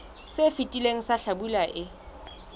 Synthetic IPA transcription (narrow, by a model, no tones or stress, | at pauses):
sɪfitʼileŋ̩saɬabulaʔɪ